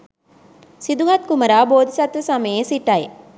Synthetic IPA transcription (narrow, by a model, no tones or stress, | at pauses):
sid̪uɦɐt̪̚kumɐɾaːboːd̪ʱisɐt̪ʋɐsɐməjesiʈːajḛ